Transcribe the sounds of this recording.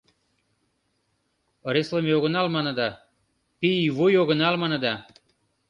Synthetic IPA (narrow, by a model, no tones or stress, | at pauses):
ɾesləmeoɣənɑlmɑnə̆d̪ɑ | piivojoɣənɑlmɑnə̆d̪ɑ